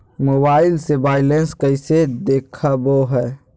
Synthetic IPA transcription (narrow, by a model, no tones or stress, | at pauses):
mobaːɪlsebaːɪlenskəɪsed̪ekʰaboɦɛː